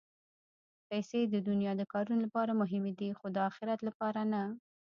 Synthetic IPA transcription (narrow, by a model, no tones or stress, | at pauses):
pajsed̪əd̪ʊnjɑd̪əkɑɾunolapɑɾamʊɦɪmed̪ixod̪əɑxɪɾat̪lapɑɾana